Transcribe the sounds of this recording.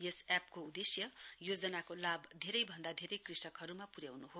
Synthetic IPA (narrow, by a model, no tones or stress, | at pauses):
jesap̚koud̪esjʌjod͡zʌnakolabd̪ʱeɾʌjbʱʌnd̪ad̪ʱeɾʌjkrisʌkɦʌɾumapuɾjawnuɦo